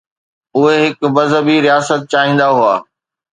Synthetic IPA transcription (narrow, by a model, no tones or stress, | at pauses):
ʊɦeɦɪkbɐzəbiɾijaːsət̪̚t͡ɕaːɦĩːn̆d̪aɦuaː